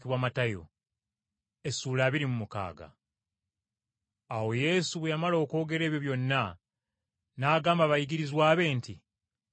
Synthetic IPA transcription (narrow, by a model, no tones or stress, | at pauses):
kiβwaːmatajo̰ | e̞suːlaːβiɾimumuka̰ːɡa̰ | wo̞je̞suβejamalo̞ːko̞ːɡe̞ɾe̞ːβjo̞βjo̞nːa | naːɡaːmbaβajiɡiɾizwaːβe̞ːnti